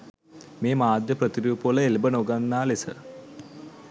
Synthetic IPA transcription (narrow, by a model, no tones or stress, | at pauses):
meːmaːd̪jəprɐt̪iɾuːpoləelbənoɡanːaːlesə̰